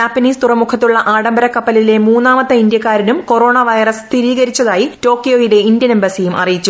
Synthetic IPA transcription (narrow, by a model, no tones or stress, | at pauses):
d͡ʑaːpːɐniːst̪urɐmukʰɐt̪ːuɭːɐʔaːɽɐmbɐɾɐkːɐpːɐlile̞muːnːaːmɐt̪ːɐind̪jɐkːaːɾinumko̞ro̞ːɳaʋɐjrɐst̪ʰiɾiːɣɐɾit͡ɕːɐðaːjito̞ːkːijo̞ːjile̞indjɐnembɐsijumɐ̰rijit͡ɕːu